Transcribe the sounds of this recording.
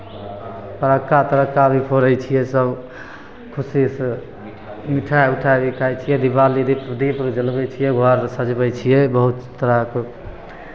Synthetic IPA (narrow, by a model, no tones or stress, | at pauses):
pəɾəkːat̪əɾəkːabʱipʰoɾəjt͡ʃʰijɛsəb | kʰusis | miʈʰajuʈʰabikʰajt͡ʃʰijɛd̪ibalid̪ipɾd̪ipɾd͡ʒəlbɛt͡ʃʰijɛɡʱɔɾsəd͡ʒbɛt͡ʃʰijɛbəɦut̪st̪ːəɾək